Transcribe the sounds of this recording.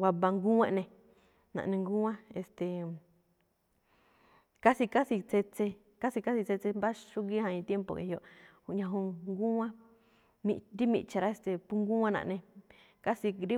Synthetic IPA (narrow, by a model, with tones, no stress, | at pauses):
wa˧βa˧ŋɡu˦ẽ˦ʔnẽ˧ | nã̰˧ʔnẽ˧ŋɡu˦ã˦e˧st̪e˨ | ka˦si˧ka˦si˧t͡se˧t͡se˧ | ka˦si˧ka˦si˧t͡se˧t͡se˧mba˦ʃu˦ɡi˦hã˧ĩ˧t̪je˦mpo̰˨ʔḛ˧hjo˧ʔhu˧ʔɲã˧ɦũ˧ŋɡu˦ã˦ | mĩ˧nɾi˦mḭ̃˧t͡ʃa˧ɾa˧˦e˧st̪e˨pu˧ŋɡu˦ã˦nã̰˧ʔnẽ˧ | ka˦si˧ɾi˦